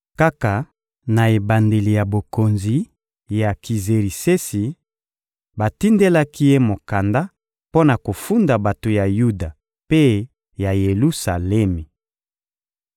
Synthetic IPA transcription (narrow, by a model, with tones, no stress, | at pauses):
ka˦ka˨ | na˨e˨ba˨nde˨li˨ja˨bo˨ko˨nzi˨ | ja˨ki˨ze˨ʁi˨se˦si˨ | ba˨ti˦nde˦la˦ki˦je˦mo˨ka˨nda˦ | po˦na˨ko˨fu˦nda˨ba˨to˨ja˨ju˦da˨ | pe˦ | ja˨je˨lu˦sa˨lɛ˦mi˨